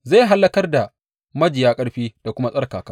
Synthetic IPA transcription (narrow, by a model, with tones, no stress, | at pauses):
za˦˨ɦa˦lːɐ˦kɐ˦rda˨ | mɐ˦d͡ʒɪ˨jaː˦kʼɐ˦ɽɸiː˦d̥a˨kʷʊ˦ma˦sʼɐ˦ɽkaː˨kaː˦